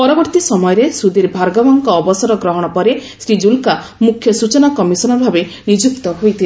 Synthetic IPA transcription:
pɔɾɔbɔɾt̪isɔmɔjɔɾesud̪iɾbʱaɾɡabɔŋkɔːbɔsɔɾɔɡɾɔɦɔɽ̃ɔpɔɾe | sɾid͡ʒulka | mukʰːjɔsut͡ʃɔnakɔmisɔnɔbʱabenid͡ʒuk̚t̪ɔɦojt̪ʰil

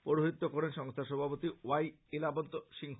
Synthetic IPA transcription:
poɾoɦit̪ːokoɾenʃɔŋst̪ʰaʃɔbʱapot̪iwaj | elabont̪oʃiŋ

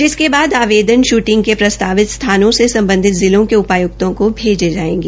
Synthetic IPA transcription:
d͡ʒɪskebaːd̪aːʋeːd̪ənʃuːʈɪ̃ŋɡkepɾɐst̪aːʋɪt̪st̪ʰaːnõsesɐ̃mbə̃nd̪ʱɪt̪zɪlõkeʊpaːjʊk̚t̪õkobʱeːd͡ʒed͡ʒaːḛ̃ːɡieː

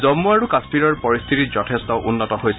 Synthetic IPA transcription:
zɔmːuaɹukaspiɹɔɹpɔɹist̪ʰitizɔtʰestɔʔunːɔtɔhojsɛ

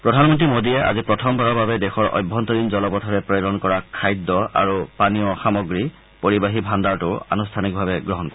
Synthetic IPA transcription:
pɹɔdʱanmɔntɹimodiɛa̰zipɹɔtʰɔmbʱaɹɔbabɛdexɔɹɔ̰jbʱːɔnt̪ɔɹinzɔlɔpɔtʰɔɹɛpɹeɾɔnkɔɹakʰajdːɔa̰ɹupaniɔxamɔɡɹi | poɹibaɦibʱandaɹtʊa̰nustʰanik̚bʱabɛɡɹɔɦɔnkɔ

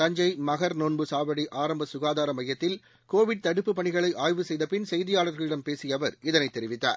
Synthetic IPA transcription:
ɐɲd͡ʒɐɪmɐɣɐɾnoːnbɯsaːʋɐɽiʔaːɾɐmbɐsʊɣaːðaːɾɐmɐjːɐt̪ːɪl | koːʋɪɽ̚t̪ɐɽɯpːɯpːɐɳɪɣɐɭɐɪʔaːjʋɯsɛjðɐpɪnsɛjðɪjaːɭɐɾɣɐɭɪɽɐmpeːsɪjɐʋɐɾɪðɐnɐɪt̪ːɛɾɪʋɪt̪ːa̰ːɾ

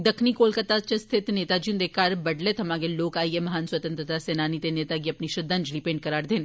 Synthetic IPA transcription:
d̪ɐkʰnikoːlkət̪at͡ʃest̪ʰɪt̪neːt̪ad͡ʒiũnd̪eːkaːɾbɐɖlet̪ɦɐmaːɡeloːkaːiemɐɦaːnswət̪ə̃nt̪ɾət̪aseːnaːnit̪eneːt̪aɡ̬iɐpniʃɪd̪ə̃nd͡ʒlipẽːɳɖ̚kɐɾaːɾd̪eːn

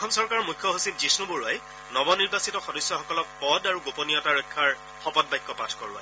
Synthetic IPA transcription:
ɔxɔmsɔɹkaɹmujkʰːjɔɦosib̚zisnuboɹuaj | nɔbɔniɹbasitɔxɔdɔsːjɔxɔkɔlɔk̚pɔdaɹuɡoponijɔtaɹɔjkʰːaɹ | xɔpɔt̚bajkːɔpatʰkɔɹʊa̰j

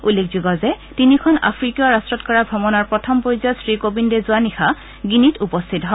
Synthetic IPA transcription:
ulːekʰzuɡɔzɛ | tinikʰɔna̰pʰɹikɔɹastɹɔtkɔɹabʱɔbɔnɔɹpɹɔtʰɔmpɔjzɔsɹikobindezʊanixʰa | ɡinitupɔstʰitɦɔ

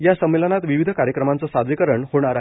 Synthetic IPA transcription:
jasəmːelənat̪ʋiʋid̪ʱəkaɾjəkɾəmant͡səsad̪ʱʋikəɾəɳhoɽ̃aɾa

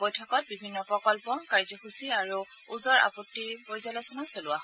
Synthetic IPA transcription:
bojtʰɔkɔt̚bibʱinːɔpɹɔkɔlpɔkaɹzɔxusiaɹuuzɔɹʔa̰pɔtːibojzalɔjsɔnɔsolʊaɦ

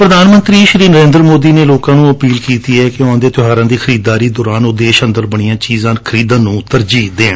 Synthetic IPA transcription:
pɾəd̪aːnmə̃nt̪ɾiːʃɾiːnəɾẽːnd̪ɾəmoːd̪iːneːloːkãːnũːəpiːlkiːt̪iːɛːkɪoãːd̪eːt̪ʊɦaːɾãːd̪iːkʰəɾiːd̪aːɾiːd̪ɔːɾaːnʊd̪eːʃənd̪əɾbəɽ̃ijãːt͡ʃiːzãːkʰəɾiːd̪ãːnũːt̪əɾd͡ʒiːd̪ẽː

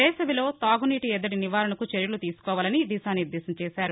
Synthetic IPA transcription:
ɛːsɐʋilo̞ːt̪aːɡuniːʈiɛd̪ːɐɽiniʋaːɾɐɳɐkut͡ʃeɾjɐlut̪iːsu̥kɔːʋaːlɐnid̪isaːniɾd̪ːɛːsɐmt͡ʃɛːsaːɾu

